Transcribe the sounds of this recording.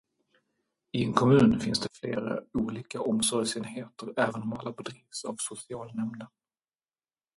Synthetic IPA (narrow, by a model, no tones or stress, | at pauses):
ɪɛnkʰɔmʉ̟ːnfɪnsd̪ɛfleːɾa̰uːliːkaʔɔmsɔɾjsɛnheːt̪əɾɛːvənmɑːlapʰɔd̪ɾiːvsa̰vsʊsɪɑːlnɛmnə